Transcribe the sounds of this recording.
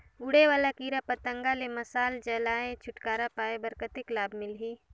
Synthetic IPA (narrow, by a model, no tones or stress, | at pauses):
ʊɽewaːlakiːɾapət̪ə̃ŋɡalemɐsaːld͡ʒəlaːet͡ʃʰʊʈkaːɾapaːebəɾkət̪ɪklaːbʱmɪlɦiː